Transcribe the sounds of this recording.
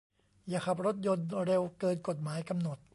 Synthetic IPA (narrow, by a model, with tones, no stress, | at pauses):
jaː˨˩kʰa˨˩p̚ɾo˦˥t̪̚jo˧nɾe˧wkɤː˧nko˨˩t̪̚maː˩˦jka˧mno˨˩t̪̚